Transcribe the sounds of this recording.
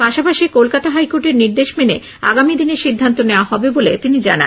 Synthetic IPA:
paʃapaʃikolkat̪aɦajkoɾʈeɾniɾd̪eʃmene | a̰ɡamid̪ineɾʃid̪ʱːant̪oneoaɦɔbebolet̪inid͡ʑa̰na̰

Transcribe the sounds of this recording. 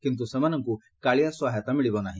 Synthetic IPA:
kint̪usemanɔŋku | kaɭijaswaɦjat̪amiɭibɔnaɦĩ

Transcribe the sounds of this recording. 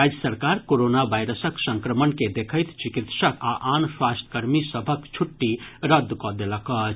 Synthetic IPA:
ɾad͡ʒəsəɾkaːɾkoɾoːnaʋaɪɾəsəksə̃ŋkɾəmənked̪ekʰəɪt̪t͡ʃikit̪ʃəkaʔaːnswast̪kəɾmisəbʱəkt͡ʃʰuʈːiɾəd̪ʱːkɔd̪eləkə

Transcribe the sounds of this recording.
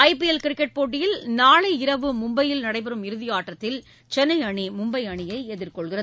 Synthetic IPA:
ɐɪpɪɛlkɪɾɪkːɛʈ̚poːʈ̬ːɪjɪlnaːɭɐɪɾɐʋɯmʊmbɐjɪlnɐɽɐɪpɐɾɯmɪɾɯðɪjaːʈrɐt̪ːɪl | t͡ʃɛnːɐɪɐɳimʊmbɐɪɐɳɪjɐɪɛðɪɾkɔɭɣɪrɐ

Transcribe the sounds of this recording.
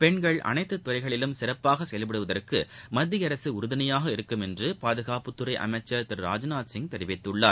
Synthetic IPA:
pɛɳɡɐɭʔɐ̰nɐɪt̪ːɯt̪ːʊrɐɪɣɐɭɪlɯmsɪɾɐpːaːɣɐsɛjɐlpɪɽɯʋɐðɐrkɯmɐd̪ːɪjɐɾɐsɯʊɾɯðɐnɐjaːɣɐɪɾɯkːɯmɛndrɯpaːðɯɣaːpɯt̪ːʊɾɐɪʔɐ̰mɐɪt͡ʃːɐt̪ɪɾɾa̰ːd͡ʒɐnaːt̪sɪŋɡ̚t̪ɛɾɪʋɪt̪ːɯɭːaːɾ

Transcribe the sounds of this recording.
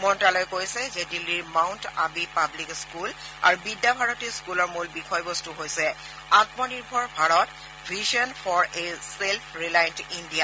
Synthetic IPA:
mɔntalojkojsɛzɛdilːiɹmawnta̰bipablikskul | a̰ɹubidːabʱaɹɔtiskulɔɹmulbixɔjbɔstuɦojsɛ | atmɔniɹbʱɔɹbʱaɹɔt | bʱizɔnfʰɔɹeselpʰɹilajntindija

